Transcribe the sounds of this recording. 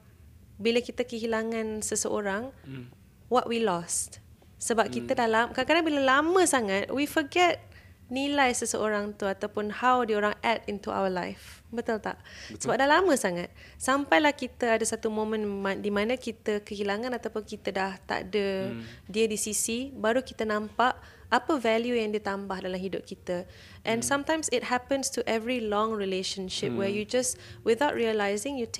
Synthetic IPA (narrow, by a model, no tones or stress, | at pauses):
bilakit̪əkəɦilaŋãnsəsəʔoɾaŋ | wɔʔ̚wilɔst | səbap̚kit̪ədalamkakadaŋbiləlamə̃saŋat̪̚wifəɡɛt̚ | nilajsəsəʔoɾaŋt̪uat̪awpʊnhawdioɾaŋɛtint̪uʔa̰wəla̰jf | bət̪ult̪a̰ʔsəbap̚dalamə̃saŋat̪̚ | sampajlahkit̪əadəsat̪umõmə̃nmãndimãnə̃kit̪əkəɦilaŋãnat̪awpʊnkit̪ədaht̪a̰ʔdədiədisisibaɾukit̪ənãmpaʔ | apəvɛljujaŋdiət̪ambahdalamɦidʊp̚kit̪ə | ʔɛ̃nsãmt̪ãjmsɪt̚hɛpə̃nstuʔɛvɹilɔ̃ŋɹileʃə̃nʃɪp̚wɛjud͡ʒaswiθaʊt̚ɹiəlajzɪ̃ŋjut